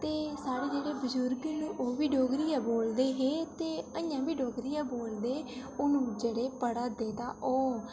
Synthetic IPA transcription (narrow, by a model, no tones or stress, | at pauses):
t̪eːsaːɽeːd͡ʒeːɽeːbəzʊɾɡnũːʔoːʋiːɖoːɡɾiːãːboːld̪eːɦẽːt̪eːəjãːbiːɖoːɡɾiːjãːboːld̪eːʊnũːd͡ʒeːɽeːpəɽaːd̪eːt̪ãːʔoː